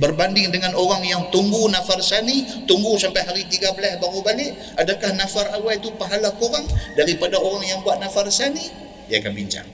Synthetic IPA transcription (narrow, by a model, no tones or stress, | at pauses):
bərbandɪŋdəŋanoɾaŋjaŋt̪uŋɡunafarsanit̪uŋɡusampajɦaɾit̪iɡabəlasbaŋubalɪʔ | ʔadakahnafarawait̪upaɦalakoɾaŋdaɾipadaoɾaŋjaŋbuaʔ̚nafarsani | diaːkanbḭɲt͡ʃa̰ŋ